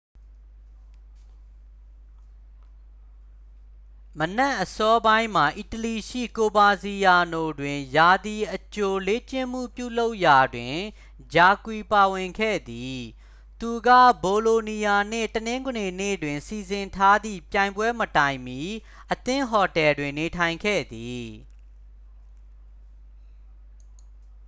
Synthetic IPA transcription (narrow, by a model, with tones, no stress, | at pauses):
mənɛ˦ʔːəsɔ˦bã˦ɪ̃m̥a˨ʔi˨təli˨ʃḭ˦˨ko˨ba˨zi˨ja˨no˨dwɪ̃˨ja˨d̪i˨ʔət͡ɕo˨le˨˦t͡ɕɪ̃˦˨m̥ṵ˦˨pjṵ˦˨lo˦ʊʔja˨dwɪ̃˨ | d͡ʑa˨kwi˨pa˨wɪ̃˨ŋkʰɛ̰˦˨d̪i˨ | t̪u˨ɡä̰˦˨bo˨lo˨ni˨ja˨n̥ɪ̰̃˦˨tənɪ̃˦ŋɡne˨nḛ˦˨dwɪ̃˨nsi˨zɪ̃˨ntʰa˦d̪ḭ˦˨pjã˨ɪ̃mbwɛ˦mətã˨ɪ̃mji˦ | ʔət̪ɪ̃˦˨ɦɔ˨tɛ˨dwɪ̃˨nːe˨tʰã˨ɪ̃ŋkʰɛ̰˦˨d̪i˨